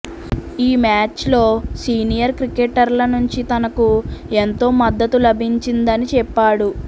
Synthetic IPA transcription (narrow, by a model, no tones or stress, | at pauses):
iːmaːt͡ʃlo̞ːsiːnijɐɾkɾikeʈɐɾlɐnuɲt͡ʃit̪ɐnɐkuent̪o̞ːmɐd̪ːɐt̪ulɐbʱiɲt͡ʃind̪ɐnit͡ʃɛpːaːɽu